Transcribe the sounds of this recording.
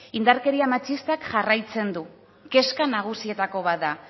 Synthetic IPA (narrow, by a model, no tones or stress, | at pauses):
ind̪aɾke̞ɾiamat͡ʃist̪akʝarajt͡se̞nd̪u | ke̞skanaɣ̞usie̞t̪ako̞βat̪̚d̪a